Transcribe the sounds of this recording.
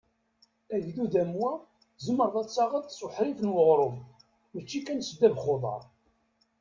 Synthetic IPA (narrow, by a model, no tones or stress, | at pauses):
æʝðuðæmwæ | zəmːəɾˤðˤɑt͡sːɑʁəd̪swəħɾifənwəʁɾˤʊm | mət͡ʃːikænsəd̪ːævχoðˤɑ̰ɾˤ